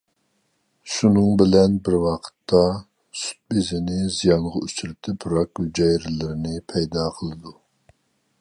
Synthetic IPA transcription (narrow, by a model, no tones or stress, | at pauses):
ʃunɨŋbɪlɛnbɪɾwɑqʰə̥t̪ʰːɑ | su̥t̪̚bɪzɪnɪzijɑnʁɑyt͡ʃyɾɪt̪ʰɪpʰuɾɑkud͡ʒɑjɾɪlɪɾɪnɪpʰɛjd̪ɑqʰəlˠɨd̪u